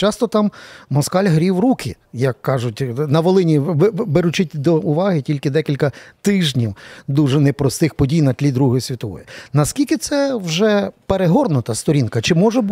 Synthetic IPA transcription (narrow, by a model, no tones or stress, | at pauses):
t͡ʃɑst̪ɔt̪ɑmːɔskɑlʲɦɾʲiwɾukʰɪ | jɐkːɑʒʊtʲnɐʋɔlˠɪnʲibeɾʊt͡ʃɪtʲd̪ɔʊʋɑɦɪtʲilʲkɪd̪ɛkʲilʲkɐt̪ɪʒnʲiwd̪uʐɛnɛpɾɔst̪ɪxpɔdʲijnɐtʲlʲid̪ɾuɦɔjʊsʲʋʲit̪ɔʋɔ̰jʊnɐskʲilʲkɪt̪sɛwʒɛpeɾeɦɔrnʊt̪ɐst̪ɔɾʲinkɐt͡ʃɪmɔʒɛb